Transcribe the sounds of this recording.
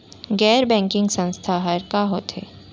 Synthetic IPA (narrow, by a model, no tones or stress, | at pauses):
ɡɛːɾbɛ̃ːŋkɪ̃ŋɡsə̃nst̪ʰaɦɐɾkaɦoːt̪ɦḛː